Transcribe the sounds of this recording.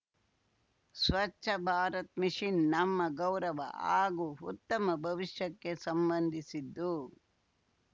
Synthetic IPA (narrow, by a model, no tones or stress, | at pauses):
sʋɐt͡ʃʃʰɐbʱaːɾɐt̪̚miʂinːɐmːɐɡɐwɾɐʋɐ̰aːɡuut̪ːɐmɐbʱɐʋiʂjɐkːe̞sɐmbɐnd̪ʱisid̪ːu